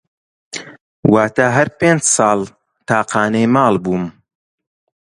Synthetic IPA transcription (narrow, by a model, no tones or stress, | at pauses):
waːt̪aːɦɐɾpeːnd͡ʒsɑːlˠ | t̪ɑːqɑːnɐjmɑːlˠbuːm